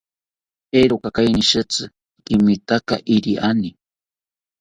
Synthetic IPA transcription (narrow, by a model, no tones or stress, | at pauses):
eɾokakajniʃɨt͡sɨ | kimit̪aka̰ʔiɾiʔani